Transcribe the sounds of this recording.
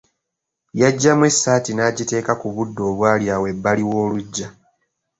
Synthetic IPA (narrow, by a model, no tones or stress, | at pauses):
jaɟːamwe̞sːaːtinaːɟite̞ːkakuβudːo̞ːβwaːljaːwe̞bːaliwo̞ːluɟːa